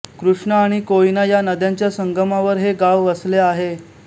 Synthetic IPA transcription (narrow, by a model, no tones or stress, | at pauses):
kɾuʂɳəaɽ̃ikoinajanəd̪jaɲt͡ɕjasəŋɡəmaʋəɾɦeɡaʋːəsleaɦe